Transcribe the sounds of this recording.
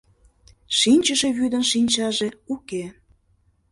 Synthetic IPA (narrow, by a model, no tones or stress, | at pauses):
ʃinʲt͡ɕəʃeβyd̪ənʃinʲt͡ɕɑʒeuke